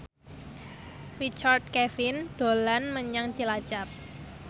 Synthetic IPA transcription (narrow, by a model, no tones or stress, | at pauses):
rit͡ʃard̪̚kɛfind̪̥o̤lanməɲaŋ̥t͡ʃilḁt͡ʃap̚